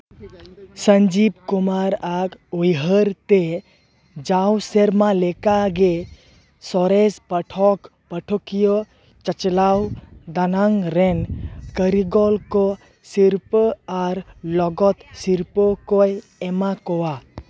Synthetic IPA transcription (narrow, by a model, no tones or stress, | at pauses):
səɲd͡ʒib̚kumaɾaɡujɦəɾt̪e | d͡ʒawseɾmalɛkaɡe | sɔɾespəʈʰɔk | pəʈʰɔkijɔ | t͡ʃət͡ʃlawd̪anaŋɾɛnkəɾiɡɔlkɔ | siɾpaɾlɔɡɔt̪siɾpɔkɔj | ɛmakɔwa